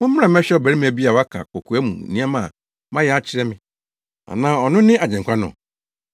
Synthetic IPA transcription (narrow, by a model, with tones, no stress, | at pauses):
mʊ̃˦m̩˦ã˨m˦ɛ˦ɕᶣɛ˦ɔ˨bæ˨ɾi˦mɪ̃˦æ˨bi˦a˨wa˦kʰa̰˨kʰɔ˨kʰu˨ɛ˦mṵ̃˨nĩ˦a˦mã˨ | mã˦jɛ˨˦a˦t͡ɕʰɪ˦ɾɛ˦mɪ̃˦ | a̰˨nãː˦ɔ˨nʊ̃˦nɪ̃˦ʔa˨d͡ʑɛ̃˨ŋ˨kʰʷa˦nɔ̰̃˨